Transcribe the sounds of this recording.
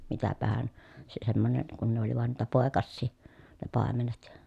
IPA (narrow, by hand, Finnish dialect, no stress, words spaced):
mitæpæhæn se semːonen kun ne oli ʋɑn niːtæ poˑekɑsːiː ne pɑˑemenet